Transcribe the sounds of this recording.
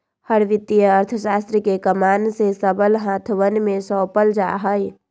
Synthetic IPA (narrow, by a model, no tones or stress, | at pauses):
həɾʋɪt̪ijəəɾt̪ʰəʃaːst̪ɾəkekəmaːnsesəbəlɦãt̪ʰʋənmẽsɔːpəld͡ʒa̰ɦəj